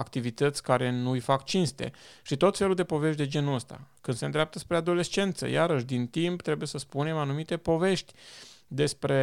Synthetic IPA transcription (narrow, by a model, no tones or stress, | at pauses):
akt̪ivit̪ət̪sʲkaɾe̞nujfakt͡ʃinst̪e̞̰ʃit̪o̞t̪fe̞luld̪e̞po̞ve̞ʃt̪d̪e̞d͡ʒe̞nuəst̪a̰kɨnd̪se̞nd̪ɾʲeap̚t̪əspɾe̞ad̪o̞le̞st͡ʃe̞nt̪sə̰jaɾəʃ̬d̪int̪impt̪ɾe̞bujesəspune̞manumit̪e̞po̞ve̞ʃt̪ʲd̪e̞spɾe̞